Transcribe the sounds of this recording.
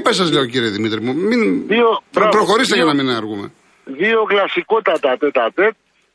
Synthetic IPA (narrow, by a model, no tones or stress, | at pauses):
pesɐzle̞ociɾieðimit̪ɾimuminioɾɐpɾoxo̞ɾist̪eʝɐnɐminɐɾɣumḛ | ðio̞klɐsikot̪ɐt̪ɐt̪et̪ɐt̪et̪̚